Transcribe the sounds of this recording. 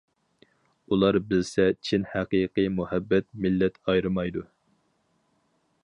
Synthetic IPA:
ulˠɑɾbɪlsɛt͡ʃʰinhæqijqɨjmuhɛbːɛt̪̚mɪlːɛt̪ʰɑjɾɨmɑjd̪u

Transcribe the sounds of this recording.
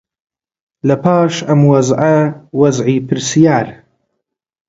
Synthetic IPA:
lɐpʰaːʃɐmwɐzʕɐwɐzʕiːpʰɨɾsijaːɾ

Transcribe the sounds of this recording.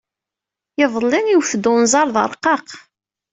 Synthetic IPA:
jɪvlˤːɪniwfd̪ʊnzˤɑɾˤðˤə̰ɾˤqːɑq

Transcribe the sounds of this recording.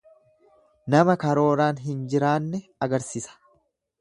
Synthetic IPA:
nɐmɐkɐɾo̞ːɾaːnɦɪnd͡ʒɪɾaːnːɛɐɡɐɾsisɐ̥

